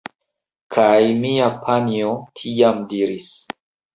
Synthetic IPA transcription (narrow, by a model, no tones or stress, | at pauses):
kʰajmiapʰaniotʰiamdiɾis